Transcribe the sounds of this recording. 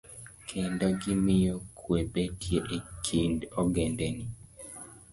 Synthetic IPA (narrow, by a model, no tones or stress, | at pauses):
kʰendɔɡɪmɪjokʰwepetʰjeʔekʰindɔɡendɛni